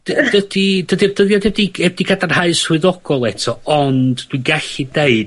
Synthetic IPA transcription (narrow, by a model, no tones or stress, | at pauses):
d̥d̥ədidədirdəðjɔdɛb̚diɛb̚dikʰadarhaɨswɨðɔɡ̥ɔlˠɛtʰɔɔndd̥wiɡaɬideɨd̥